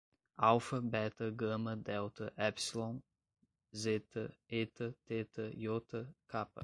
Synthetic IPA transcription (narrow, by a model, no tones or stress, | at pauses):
awfɐbɛt̪ɐɡɐ̃mɐd̪ɛwt̪ɐʔɛpsilõ | zet̪ɐet̪ɐt̪et̪ɐjot̪ɐkʰapɐ̰